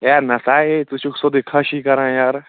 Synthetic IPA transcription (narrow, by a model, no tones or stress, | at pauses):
jaːɾnɐsaːet̪ut͡ʃʰuksod̪ikʰɐʃikɐɾãːjaːɾ